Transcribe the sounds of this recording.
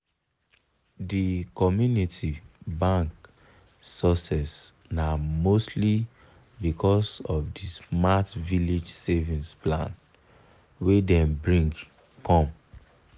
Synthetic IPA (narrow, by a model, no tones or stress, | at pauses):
dikɔmjunitʰibãŋk | sɔsɛs | namostli | bikʰɔsɔvdismatvilid͡ʒsevĩnsplãn | wedɛ̃mbɹĩŋɡ | kɔ̃m